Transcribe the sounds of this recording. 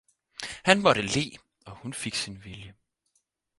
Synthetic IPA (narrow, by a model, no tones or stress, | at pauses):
hænmɒ̽ɾ̥əle̝̰ː | ɒ̽hunfe̝ɡ̥sinʋiljə